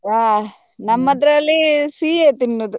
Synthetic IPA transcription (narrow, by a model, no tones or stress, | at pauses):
aː | nɐmːɐd̪ɾɐɐlːisiːeːt̪inːud̪u